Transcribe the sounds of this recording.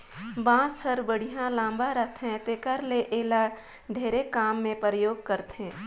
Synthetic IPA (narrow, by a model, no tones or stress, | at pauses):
bãːshəɾbəɽ̤ijãlãːmbaɾət̪ʰɦɛ̃t̪ekəɾleʔeːlaːɽ | ɖʱeːɾekaːmːẽpəɾəjoːɡ̚kəɾt̪ɦɛ̃ː